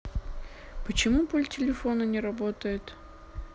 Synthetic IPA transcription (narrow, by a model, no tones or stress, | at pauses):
pət͡ɕɪmupolʲtʲɪlʲɪfo̞nənʲɪɾɐbo̞t̪əjɪt̪